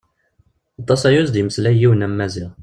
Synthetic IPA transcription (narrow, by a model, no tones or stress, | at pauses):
ɑt̪ˤːɑsæjusd̪iməslæjiwənæmːæziʁ